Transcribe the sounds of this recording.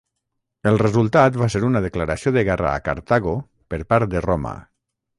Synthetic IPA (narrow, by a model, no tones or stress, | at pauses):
elˠrezulˠt̪at̪βaseɾunaðeklaɾasjoðeɣɛra̰ːka̰ɾt̪aɣo | peɾpaɾt̪̚d̪eroma̰